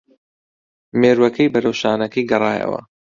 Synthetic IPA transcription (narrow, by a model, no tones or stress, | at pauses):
meːɾwɐkʰɐjbɐɾɐwʃaːnɐkʰɐjɡɐrˤɑːjɐ̰wɐ̰